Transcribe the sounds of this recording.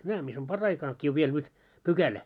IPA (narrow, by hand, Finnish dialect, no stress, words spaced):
næː mis on pɑrːɑikɑkːi oʋ ʋiel nyt pykælæ